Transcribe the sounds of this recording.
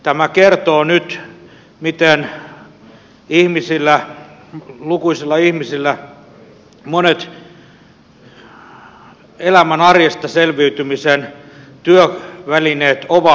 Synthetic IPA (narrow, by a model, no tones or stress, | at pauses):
t̪æmækert̪oːnyt̪ | mit̪en | ihmisilːæ | lukuisilːɑihmisilːæ | monet̪ | elæmænɑrjest̪ɑselʋiyt̪ymisen | t̪yøʋælineːt̪oʋɑ